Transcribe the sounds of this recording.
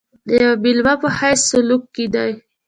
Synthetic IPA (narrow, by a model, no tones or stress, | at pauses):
d̪əjawabilwapəhajsːʊlukːed̪aj